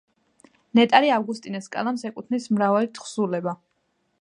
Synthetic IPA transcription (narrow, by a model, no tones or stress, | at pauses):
nɛt̪ʼaɾiavɡust̪ʼinɛskʼa̰lˠamsɛkʼut̪ʰnismɾavalit̪ʰχsulɛba